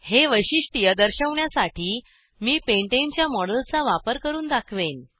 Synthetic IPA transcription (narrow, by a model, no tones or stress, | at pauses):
heʋəɕiːɕʈijəd̪əɾɕəʋɳjasaʈʰiː | miːpeɳʈent͡ɕjamɔɽəlt͡saʋapəɾkəɾuːnd̪akʰʋen